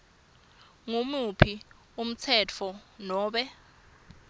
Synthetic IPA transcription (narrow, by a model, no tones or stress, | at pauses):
ŋumupʰi | um̩t͡sʰɛt͡fʰɔnɔːɓɛ